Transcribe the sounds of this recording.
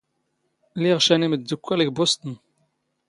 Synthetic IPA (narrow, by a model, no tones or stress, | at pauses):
liʁʃæniməːukʷːælikbost̪ən